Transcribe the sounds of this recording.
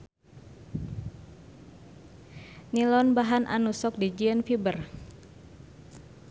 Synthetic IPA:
nilɔnbaɦanʔa̰nusɔk̚did͡ʒiənfibər

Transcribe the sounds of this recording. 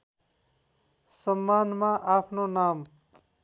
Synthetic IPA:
sʌmːanmaʔapʰnonam

